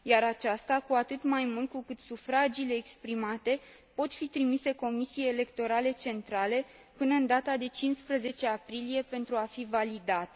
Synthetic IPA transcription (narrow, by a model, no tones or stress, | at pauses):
jaɾat͡ʃast̪akuat̪ɨt̪majmult̪̚kukɨt̪sufɾad͡ʒile̞ːkspɾimat̪e̞ | po̞t̪fit̪ɾimise̞ko̞misiejele̞kt̪o̞ɾale̞t͡ʃe̞nt̪ɾale̞ | pɨnəɨnd̪at̪ad̪e̞t͡ʃinspɾəze̞t͡ʃe̞apɾilije̞pe̞nt̪ɾuafivalid̪at̪e